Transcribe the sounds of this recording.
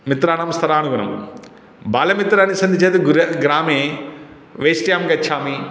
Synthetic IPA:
mit̪ɾaːɳɐmst̪ʰɐɾaːnuɡɐnɐ̰m | baːlɐmit̪ɾaːnisɐnd̪ʱit͡ʃeːt̪uɡɾɐɡɾaːmeː | ʋeːsʈjaːmɡɐtːʃʰaːmi

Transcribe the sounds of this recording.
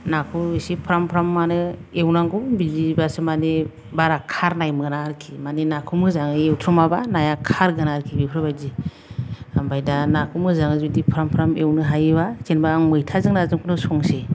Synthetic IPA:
nakʰuisipʰɾampʰɾamːanɯewnaŋɡɔmbizibasɯmane | baɾakʰaɾnajmɯnaɾkʰimanenakʰumɯzaŋɯewtʰɾumabanajakʰaɾɡɯnaɾkʰibipʰɾɯbajzi | ambajdanakʰumɯzaŋɯzudipʰɾampʰɾamewnɯɦajbakenbaːŋmɯjtʰazɯŋnazɯŋkʰunɯsɔŋse

